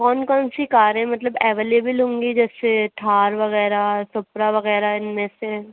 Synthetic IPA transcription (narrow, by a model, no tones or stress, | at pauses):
kɔːnkɔːnsikaːɾẽmɐt̪ləbɛːʋeːleːbəlɦõːŋɡid͡ʒɛːseʈʰaːɾʋɐɣɛːɾasʊpɾaʋɐɣɛːɾaɪnmẽse